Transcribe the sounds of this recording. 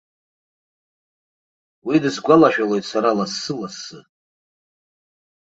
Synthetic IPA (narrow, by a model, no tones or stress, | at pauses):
widɨzɡʷalaʃᶣalojtʼsaɾalasːɨmasɨ